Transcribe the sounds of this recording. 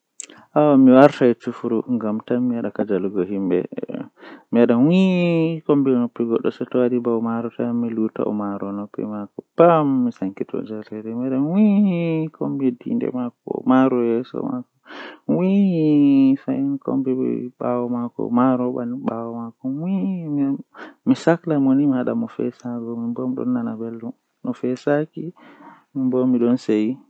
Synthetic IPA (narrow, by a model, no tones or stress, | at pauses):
ʔawamiwaɾtaɛt͡ʃufuɾuŋɡamtamiwaɗakad͡ʒaluɡɔɦimbɛ̰ | miwaɗawikombinopːiɡɔɗːɔsɛtɔwadibawmaɾɔtamiluta̰ʔɔmaɾɔnopːḭmakɔpamːisaŋkitɔ̰d͡ʒaɾɛɾɛmiaɗanwihikʰombidḭndɛ̰makɔmaɾɔjɛsɔ̰makɔwihifainko̰mbɛbɛ̰ɓawɔmakɔ̰maɾɔɓa̰niɓawɔmakɔwiimmisaklamonimihaɗa̰mɔfɛ̰saɡɔmimbomiɗɔ̰nːanabelːum | nɔfɛsakimimbɔmiɗɔnseji